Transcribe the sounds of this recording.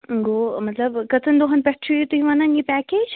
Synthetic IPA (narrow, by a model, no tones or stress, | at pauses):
ɡoːmɐt̪lɐbkɐt̪ʰənd̪oɦɐnpɛʈʰiit̪uiʋɐnɐnjipæːkeːd͡ʒ